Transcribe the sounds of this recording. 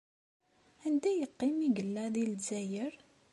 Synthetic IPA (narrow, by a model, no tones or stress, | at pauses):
ænd̪æjəqːɪmiɡəlːæðilzæjəɾ